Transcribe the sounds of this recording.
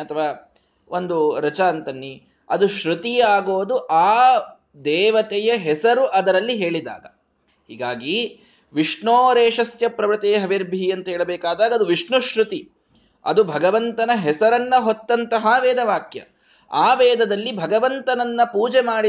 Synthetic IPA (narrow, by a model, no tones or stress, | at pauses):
ɐt̪ʰɐʋaː | ʔond̪uɾɐt͡ʃaːnt̪ɐnːi | ɐd̪uʃɾut̪iaːɡoːd̪uʔaː | d̪ɛːʋɐt̪ɛjɐɦɛsɐɾuʔɐd̪ɐɾɐlːiɦeːɭid̪a̰ːɡɐ | hḭːɡaːɡi | ʋiʂɳoːɾeːʂɐsjɐpɾɐʋɾɐt̪eːɦɐʋiɾbʱiɐnt̪ɐɦɛːɭɐbɛːkaːd̪aːɡɐːd̪uʋiʂɳuʃɾut̪i | ɐ̰d̪ubʱɐɡɐʋɐnt̪ɐnɐɦɛsɐɾɐnːɐɦot̪ːɐnt̪ɐɦaʋɛːd̪ɐʋaːkjɐ̰ | aːʋɛːd̪ɐd̪ɐlːibʱɐɡɐʋɐnt̪ɐnɐnːɐpuːd͡ʒemaːɽi